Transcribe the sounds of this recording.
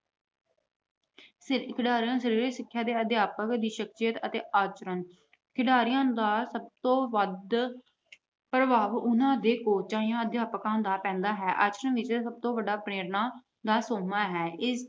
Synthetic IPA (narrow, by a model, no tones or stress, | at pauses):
kɪɖaːɾijãːsəɾiːɾiːsɪkʰːjaːd̪eːəd̪ɪjaːpəkd̪iːʃəkʃɪjət̪ət̪ḛːʔaːt͡ʃɾən | kʰɪɖaːɾijãːd̪aːsəb̚t̪õːʋəd̪ | pɾəʋaːʋʊnãːd̪eːkoːt͡ʃaːijãːəd̪jaːpəkãːnd̪aːpɛ̃ːnd̪aːɦɛːʔa̰ːt͡ʃɾənʋɪt͡ʃsəb̚t̪õːʋəɖaːpɾeːɾnãː | d̪aːsoːmaːɦɛːɪs